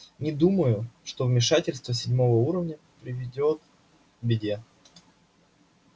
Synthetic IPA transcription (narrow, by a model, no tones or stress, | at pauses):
nʲɪd̪uməjʊʂt̪o̞vmʲɪʂatʲɪlʲst̪vəsʲɪdʲmo̞vəuɾəvnʲə | pɾʲɪvʲɪdʲot̪ | bʲɪdʲe